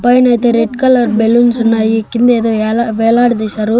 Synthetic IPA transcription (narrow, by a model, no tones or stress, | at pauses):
pɐjnɐjt̪eɾeɖkɐlɐɾbelunsɐnːaikːind̪eːd̪oːlaʋeːlaːɽd̪isɐɾu